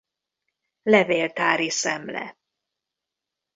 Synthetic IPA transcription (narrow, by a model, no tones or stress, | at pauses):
lɛveːlt̪aːɾisɛmlɛ̰